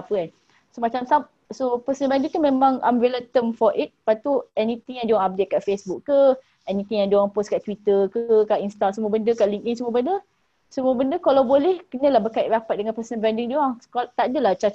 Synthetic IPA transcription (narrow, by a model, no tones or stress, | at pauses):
pəan | somat͡ʃamsap̚ | sopəsənəbɾandiŋt̪umẽmãŋa̰mvelət̪əmfɔʔit̪̚pat̪uɛnĩt̪iŋjãŋduaŋap̚det̪̚kaʔfesbukːə | ɛnĩt̪iŋjaŋduaŋposkaʔt̪wit̪əkkaʔinst̪asəmuəbəndəkaʔliŋkinsəmuəbəndə | səmuəbəndəkalawbolɛhkənə̃lahbəkaiʔ̚ɾapat̪̚dəŋanpəsənəbɾandiŋduaŋkat̪adəlaht͡ʃa